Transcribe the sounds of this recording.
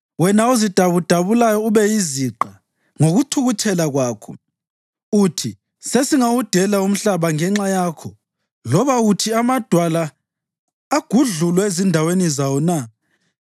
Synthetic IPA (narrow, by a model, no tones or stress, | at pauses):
wɛnauzid̥ʱaβud̥ʱaβulajɔuβɛjiziǃa | ŋoɣutʰuɣut͡ʃʰʼɛlaɣwaːkʰɔ | utʰi | sesiŋawud̥ʱɛlaum̩ɬaβaŋɛŋ͡ǁajaːkʰɔ | lɔβaɣutʰiamad̥ʱwalaː | ɡ̥ʱuɮulwɛezindʱawenizawɔna